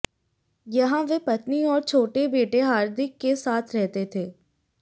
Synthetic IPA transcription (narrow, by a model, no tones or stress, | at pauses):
jɐɦãʋepɐt̪niɔːɾt͡ʃʰoːʈebeːʈeɦaːɾd̪ɪkːesaːt̪ʰɾɛɦt̪et̪ʰeː